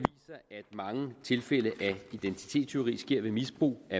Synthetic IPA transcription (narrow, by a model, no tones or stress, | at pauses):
ʋḭːsɐʔæd̥mɑ̈ŋət͡sʰe̝lfel̰əʔæid̥ent͡sʰi̥t͡sʰe̝̰ːdst͡sʰyɐʁḭːsɡ̥e̝ɐ̰ʋe̝misb̥ʁṵːæ